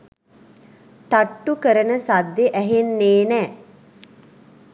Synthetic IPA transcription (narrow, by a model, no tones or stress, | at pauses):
t̪aʈːukəɾənəsad̪ːeʔæɦenːeːnɛː